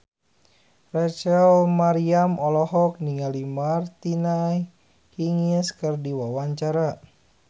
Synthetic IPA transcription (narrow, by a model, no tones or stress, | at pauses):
rat͡ʃalmaɾiamɔlɔɦɔk̚niŋalimart̪inaj | hiŋəskɨrdiwawaɲt͡ʃaɾa